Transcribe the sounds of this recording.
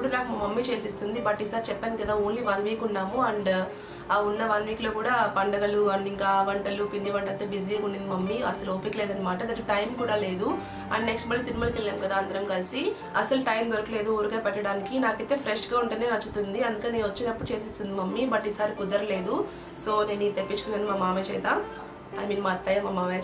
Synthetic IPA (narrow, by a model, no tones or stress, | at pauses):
epːuɽunaːkumɐmːit͡ʃe̞ːsist̪und̪ibɐʈːiːsaːɾit͡ʃɛpːaːnikɐd̪aːoːnliʋɐnʋiːkunːaːmuɐɳɖ | aːunːɐʋɐnʋiːklo̞ːkuːɽaːpɐɳɖɐɡɐluɐɳɖiŋkaːʋɐɳʈɐlupiɳɖiʋɐɳʈɐlt̪ːebid͡ʒikuɳːɖind̪imɐmːiɐsɐluoːpikle̞ːd̪ɐnːɐmaːʈɐnɐkːuʈɐjmkuːɽaːle̞ːd̪u | ɐ̰nneksʈmɐlːit̪inmɐlkeɭjaːmkɐd̪aːɐnd̪ɐɾɐmkɐlisi | ɐsɐluʈɐjmd̪oɾɐkile̞ːd̪uuːɾukɐːjpɐʈːɐɽaːnikinaːkɐt̪ːeːpʰɾeʂɡaːuɳʈuneːnɐt͡ʃːut̪und̪iɐnd̪ukeneːnʋɐt͡ʃːinɐpːuɽut͡ʃe̞ːsist̪und̪imɐmːibɐʈiːsaːɾikud̪ɐɾɐle̞ːd̪u | so̞ːneːniːt̪epːit͡ʃu̥kunɐnːmaːmaːmeːt͡ʃɛːjt̪aːm | ɐjmiːnmaːst̪ɐjaːmɐmːaːʋe